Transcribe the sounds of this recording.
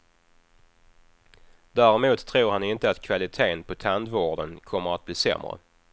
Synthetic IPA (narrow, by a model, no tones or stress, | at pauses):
d̪̥æːɾɛmuːt̪ʰːɾuːɾhanɪnt̪əat̪kʰvalɪt̪ʰeːnpʰɔt̪ʰand̪voːɖənkʰɔmːəɾat̪̚b̥liːsɛ̰mːɾə̰